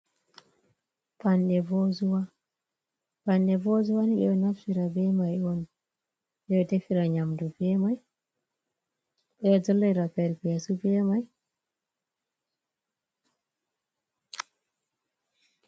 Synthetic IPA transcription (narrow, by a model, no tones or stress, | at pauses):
panɗɛvɔzuwa | panɗɛvɔzuwaniɗɛɔnafsiɾabɛmajɔn | ɗɛjɔtɛfiɾaɲamdubɛmaj | ɗɛɔd͡ʒɔlːajɾapɛɾpijasupɛmaj